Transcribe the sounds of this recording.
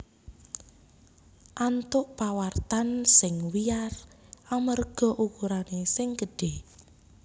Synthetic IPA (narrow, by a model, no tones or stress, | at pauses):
ʔant̪ʊʔpawart̪ansɪŋwijarʔamərɡ̥ɔ̤ʔukuɾanesɪŋɡəɖ̥eh